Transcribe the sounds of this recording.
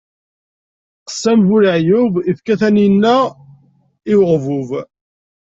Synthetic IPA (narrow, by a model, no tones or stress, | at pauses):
qə̥sːæmvʊɾəʕjʊvifkæθæninːæ | ɪwʁvʊv